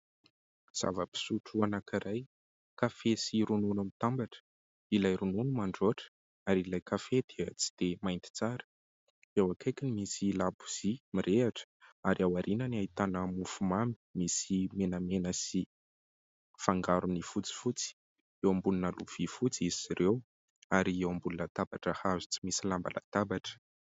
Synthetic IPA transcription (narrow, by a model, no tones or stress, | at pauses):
z̥a̰vəpi̥suʈ͡ʂuanakiɾaj | kafesiɾununamit̪ambaʈ͡ʂə̥ | ilajɾununumaɳɖ͡ʐoʈ͡ʂə̥ | aɾilajkafed̪̥eət͡si̥d̪̥emajnt̪i̥t͡saɾə̥ | ewakʰajkʲinimisilabu̥z̥imirʔeaʈ͡ʂə̥aɾiawaɾinəniait̪anəmufumami̥misimenəmenəsi | faŋɡaɾunifut͡si̥fut͡si̥ | ewambulunaluv̥ifut͡siiz̥iɾew | aɾiewambulunət̪abaʈ͡ʂəhazu̥t͡simisilamba̰lʔa̰t̪abaʈ͡ʂə̥